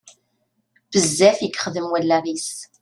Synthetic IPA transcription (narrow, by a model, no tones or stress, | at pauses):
bəzːæfjikːχəðəmwælːæðis